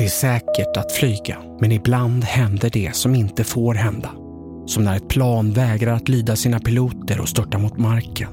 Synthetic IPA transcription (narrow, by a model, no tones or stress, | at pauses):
d̪ɛæʂɛːkəʈat̪flyːɡa | mɛnɪbland̪hɛnd̪əɖɛsɔmɪnt̪əfoːɾɦɛnd̪a | sɔmnæɾɛt̪̚pʰlɑːnvɛːɡɾaɾat̪lyːd̪asiːnapɪluːt̪əɾɔ̰st̪œʈːamʊt̪maɾkən